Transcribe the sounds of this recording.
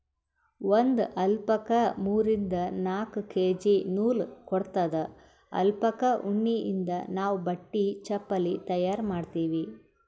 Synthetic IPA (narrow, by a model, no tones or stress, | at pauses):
ʋond̪ʔɐlpɐkɐmuːɾind̪ɐnaːkukeːd͡ʒinuːlkɔɽt̪ɐd̪ɐ | ɐ̰lpɐkɐʔuɳːiʔḭnd̪ɐnaːʋbɐʈːit͡ʃɐpːɐlit̪ɐjaːɾmaːɖt̪iːʋi